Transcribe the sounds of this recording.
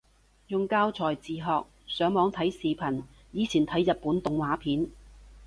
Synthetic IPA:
jʊ˨ŋkaː˥wt͡sʰɔː˨˩jt͡siː˨ɦɔː˨k̚ | sœː˨˥ŋmɔː˨˥ŋt̪ʰɐ˨˥jsiː˨pʰɐ˨˩n | jiː˨˧t͡sʰiː˨˩nt̪ʰɐ˨˥jːɐ˨t̚pːuː˨˥nt̪ʊ˨ŋwaː˨˥pʰiː˨˥n

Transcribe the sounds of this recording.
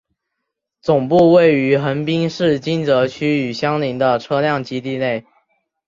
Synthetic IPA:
t͡sʊ˨˩ŋpu˥˧we˥˩ɪy˧˥xə˧˥npi˥ŋʂɻ̩˥˨t͡ɕi˥nt͡sɤ˧˥t͡ɕʰy˥y˨˩ɕjɑ˥ŋli˧˥ŋd̪ə˨ʈ͡ʂʰɤ˥ljɑ˥˨˩ŋt͡ɕi˥t̪i˥˧ne˥˩ɪ

